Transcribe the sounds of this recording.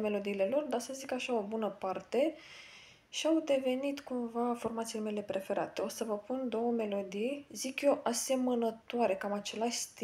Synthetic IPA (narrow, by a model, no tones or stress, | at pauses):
me̞lo̞d̪iːle̞lo̞rd̪asəzikaʃao̞bunəpart̪e̞ | ʃiawd̪e̞ve̞nit̪kumvafo̞rmat̪sileme̞le̞pɾe̞fe̞ɾat̪e̞o̞səvəpund̪o̞wəme̞lo̞d̪ijzikjo̞ʔase̞mənət̪oaɾe̞kamat͡ʃe̞laʃʲst̪